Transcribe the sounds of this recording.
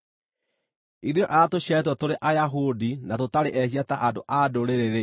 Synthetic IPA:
iðjɔʔatoɕɛtwɔtoɾeʔajaɦudinatotaɾeʔɛɕiataʔadoʔadoɾeɾeɾe

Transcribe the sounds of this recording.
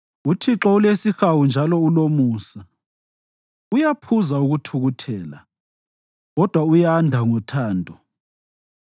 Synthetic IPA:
utʰiǁɔulesixawund͡ʒʱalɔulomuːsa | ujapʰuzauɣutʰuɣutʰɛːla̰ | ɣɔd̥ʱwaujandʱaŋɔtʰaːndʱɔ

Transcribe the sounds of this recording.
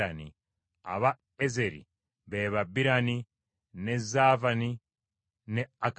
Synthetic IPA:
anḭ | a̰βa | ezeɾḭ | βeβabiɾani | nezaːvani | neak

